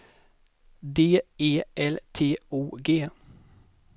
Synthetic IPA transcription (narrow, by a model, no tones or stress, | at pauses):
d̪eːeːʔɛlt̪ʰeːʔuːɡeː